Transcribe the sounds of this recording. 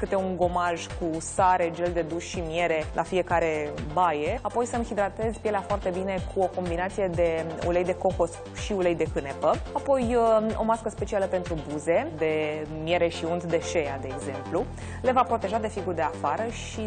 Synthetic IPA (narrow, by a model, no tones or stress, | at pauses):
kɨt̪e̞uŋɡo̞maʒkusaɾe̞d͡ʒeld̪e̞d̪uʃʃimje̞ɾe̞lʔafie̞kaɾe̞bajeapo̞jsəmhid̪ɾat̪e̞zpjeleafoart̪e̞bine̞kʰuo̞ko̞mbinat̪sije̞d̪e̞ṵlejd̪e̞ko̞xo̞s | ʃiulejd̪e̞kɨnepəapo̞jo̞̰maskəspe̞t͡ʃialəpe̞nt̪ɾubuze̞d̪e̞mie̞ɾe̞ʃiunt̪d̪e̞ʃe̞jad̪e̞ːɡze̞mplu | le̞vapɾo̞t̪e̞ʒad̪e̞fiɡurd̪e̞afaɾəʃ | i